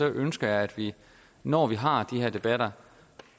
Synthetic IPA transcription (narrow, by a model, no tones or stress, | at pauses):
ɒ̽ʔønsɡ̥ɐjɑ̈ɪæd̥ʋi | nɒ̰ːʋiɦɑ̈d̥iɦeɐ̰d̥e̝b̥æɾ̥ɐ